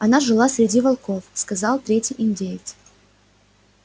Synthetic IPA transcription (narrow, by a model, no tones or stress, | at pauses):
ɐnaʐɨlˠasʲɾʲɪdʲivɐlˠko̞fskɐzɑlˠt̪ɾʲetʲijʔɪnʲdʲejɪt̪s